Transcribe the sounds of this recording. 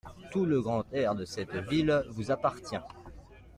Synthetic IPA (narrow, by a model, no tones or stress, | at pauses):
t̪uləɡʁɑ̃t̪ɛʁd̪əsɛt̪vilvuzapaʁt̪jɛ̃